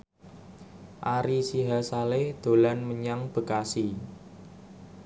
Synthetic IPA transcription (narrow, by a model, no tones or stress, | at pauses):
ʔaɾisiɦasalehd̪̥o̤lanməɲaŋb̥ə̤kasi